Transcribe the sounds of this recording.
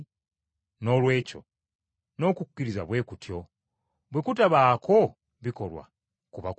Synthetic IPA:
no̞lwe̞ːco̞̰ | no̞ːkukkːiɾiza̰βwe̞ːkutjo̞ | βwekutaβaːkʰo̞ | βiko̞lwa̰ | kuβak

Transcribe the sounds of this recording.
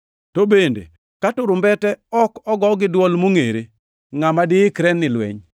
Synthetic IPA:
tobendḛ | katʊɾʊmbɛtɛɔkɔɡɔɡɪdwɔlmoŋeɾe | ŋamadɪɪkɾɛnɪlwɛ̰ɲ

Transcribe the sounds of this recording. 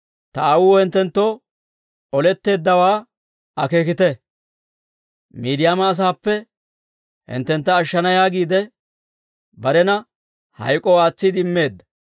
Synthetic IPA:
t̪ɐawuːhɛnt̪ːɛnt̪ːo̞ː | ɔlɛt̪ːe̞ːd̪ːɐwaː | ɐke̞ːkɪt̪ɛ | miːd̪ɪjaːmɐːs̬aːpːɛ | hɪ̰nt̪ːɛnt̪ːɐːʃːɐnɐjaːɡiːd̪ɛ | bɐɾɛnɐ | hɐ̰jkʼɔwaːt͡sːɪd̪ɪmːe̞ːd̪ːɐ̥

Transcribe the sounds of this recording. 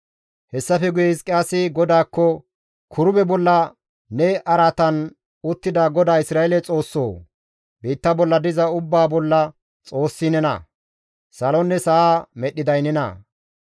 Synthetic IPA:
hɛsːɐfɛɡʊjɛɪskʼɪjaːsɪɡɔd̪aːkːɔ | kʰʊɾʊbɛbɔlːɐ | nɛʔɐɾat̪ɐn | ʊt̪ːɪd̪aɡɔd̪aːɪsɾaːjelɛt͡sʼo̞ːsːo̰ː | biːt̪ːɐbɔlːɐd̪ɪzɐʊbːaːbɔlːɐ | t͡sʼo̞ːsːɪnɛnɐ̰ | sɐlɔnːɛsɐamɛɗːɪd̪ɐjnɛnɐ̰

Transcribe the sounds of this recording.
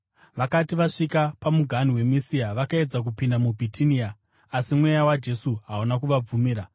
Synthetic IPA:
ʋakatiʋaʂikapamuɡʱaniwe̞misiaʋakae̞d͡zak̬upindamubʱitʰinia | asimwejawad͡ʒe̞suɦaunakuʋab͡vumiːɾa

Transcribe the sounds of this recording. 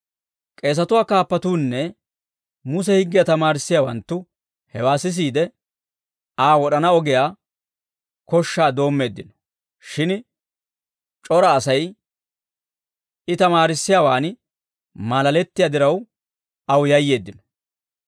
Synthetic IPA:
kʼe̞ːs̬ɐt̪ʊwaːkaːpːɐt̪uːnːɛ | mʊs̬ɛhɪɡːɪjɐt̪ɐmaːɾɪsːɪjaːwɐnt̪ːʊ | hɛwaːsɪs̬iːd̪ɛ | aːwɔɗɐnɐɔɡɛjaː | kɔʃːaːd̪o̞ːmːe̞ːd̪ːɪnɔ̥ | ʃɪn | t͡ʃʼɔɾɐːsɐj | ɪt̪ɐmaːɾɪsːɪjaːwaːn | malɐlɛt̪ːɪjad̪ɪɾɐw | ɐwjɐjːe̞ːd̪ːɪnɔ̥

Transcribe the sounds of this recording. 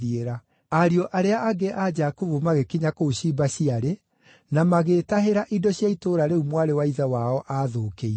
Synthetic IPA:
ieɾa | aɾiɔʔaɾeaʔaɡeʔad͡ʒakuvumaɣekiɲakouɕibaɕiaɾe | namaɣeːtaɦeɾaʔidɔɕjaitoːɾaɾeumwaɾewaiðawaɔʔaðoːkei

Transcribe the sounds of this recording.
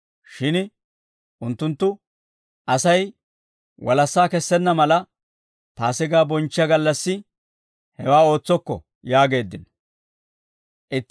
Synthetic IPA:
ʃɪn | ʔʊnt̪ːʊnt̪ːʊ | ʔɐsɐj | wɐlɐsːaːkɛsːɛnːɐmɐlɐ | paːsɪɡaːbɔnt͡ʃːɪɐɡɐlːɐsːɪ | hɛwaːo̞ːt͡sːɔkːɔ̰ | jaːɡe̞ːd̪ːɪn | ʔɪt̪ː

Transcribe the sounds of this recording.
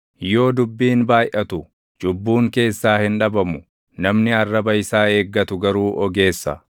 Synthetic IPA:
jo̞ːd̪ʊbːiːnbaːjʔɐt̪ʊ | d͡ʒʊbːuːŋke̞ːsːaːhɪnᶑɐbɐmʊ | nɐmnɪɐrːɐbɐɪsaːe̞ːɡːɐt̪ʊɡɐɾuːʔɔɡe̞ːsːɐ̰

